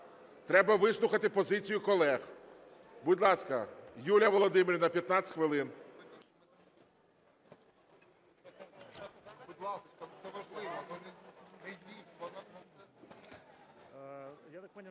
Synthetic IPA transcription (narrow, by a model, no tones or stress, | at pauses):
t̪ɾɛbɐʋɪslˠʊxɐt̪ɪpɔzɪt͡sʲijʊkɔlˠɛx | bʊdʲlˠɑskɐjulʲɐʋɔlˠɔd̪ɪmɪɾʲinɐpʲjɐt̪nɑt͡sʲt̪ʲxʋɪlˠɪn | bʊd̪ʲlˠɑssɛʋɐʒlˠɪʋ̪ | i